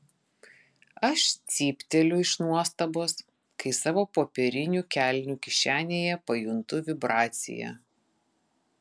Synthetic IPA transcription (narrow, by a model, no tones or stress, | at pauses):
ɐʃt̪sʲiːpʲt̪ʲɛlʲʊɪʃnuɔst̪ɐboːs | kɐɪsɑːʋoːpoːpʲɛɾʲɪnʲuːkʲælʲnʲuːkʲɪʃʲæːnʲeːjɛpɐjʊnt̪ʊʋʲɪbɾɑːt̪sʲɪ̰jɛ̰